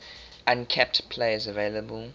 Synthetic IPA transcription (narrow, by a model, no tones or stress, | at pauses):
ãnkʰɛp̚tpʰl̥eɪzəveɪləbəl